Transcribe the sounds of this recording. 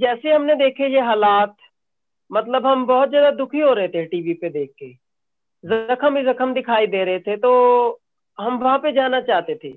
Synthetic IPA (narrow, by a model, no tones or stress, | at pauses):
d͡ʒɛːseɦɐmned̪eːkʰejeɦaːlaːt̪ | mɐt̪ləbɦɐmbɔɦʊt̪zjaːd̪ad̪ʊkʰiɦoɾɐɦet̪ʰeʈiːʋiped̪eːk̚ʰːe | zɐkʰəmizɐkʰəmd̪ɪkʰaːid̪eːɾɐɦet̪ʰet̪o | ɦɐmʋɐɦãped͡ʒaːnat͡ʃaːɦt̪et̪ʰḛː